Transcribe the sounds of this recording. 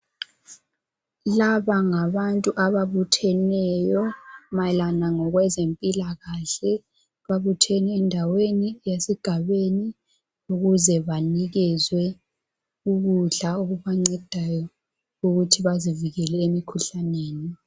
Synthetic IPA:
laβaŋaβantʼuʔaβaβutʰɛnɛjɔmalanaŋɔɣwɛzempʼilaɣaɬɛ | βaβutʰɛnɛɛndʱawenijesiɡ̥ʱaβeni | uɣuzɛβaniɣɛzwɛ | uɣuɮauɣuβaŋ͡ǀɛd̥ʱajɔ | uɣutʰiβaziviɣɛlɛemikʰuɬaneːni

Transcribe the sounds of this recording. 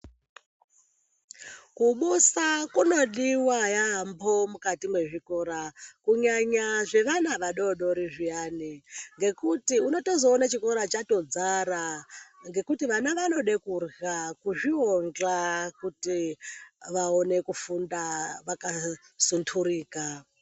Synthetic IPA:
kuɓusakunoɗiwajaɦːmbomukatimwe̞ʐikoɾakuɲaɲaʐe̞ʋanaʋaɗoɗoɾiʐiaːniŋɡe̞kutiuno̞to̞zoːnat͡ʃiko̞ɾat͡ʃato̞d͡zaɾaŋɡe̞kutiʋanaʋano̞ɗekurɣakuʐioŋd͡ɮakuti | ʋaone̞kufundaʋaka | suntʰuɾiːka

